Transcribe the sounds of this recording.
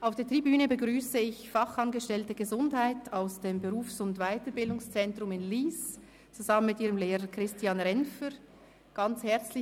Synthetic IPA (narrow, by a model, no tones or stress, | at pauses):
ʔaʊfd̥eːtʁ̥ibyːnəbəɡʁyːsəɪçfɑχɑnɡəʃtɛltəɡəzʊndhaɪtʰaʊsd̥eːmbəʁuːfsʊntvaɪtəbɪldʊŋst͡sɛntʁʊmɪnliːs | t͡suzɑmənmɪtiːʁəmleːʁəkʁ̥ɪstiɑːnʁɛnfəɾ | ɡ̥ɑnt͡shɛɐt͡slɪ